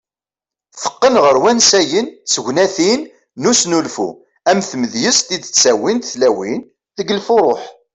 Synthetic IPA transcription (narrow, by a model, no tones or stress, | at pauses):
θə̥qːənʁəɾwænsæjənsəʝʷnæθinː | usnulfṵ | æmθməðjəst̪id̪t͡sːæwint̪θlæwin | ðəɡəlfʊɾˤoħ